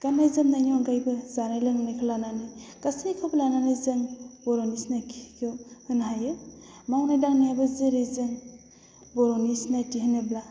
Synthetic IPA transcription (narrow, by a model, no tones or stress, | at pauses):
kanajzɯmnajniɔnɡajbɯzanajlɯŋnajkʰalananɯjkasinikʰawblananɯjzɯŋbɔɾonisnakʰikʰɯwhɯnɦajɯ | mawnajdaŋnajabɯzeɾezɯŋ | bɔɾɔnisnatiɦhɯnebla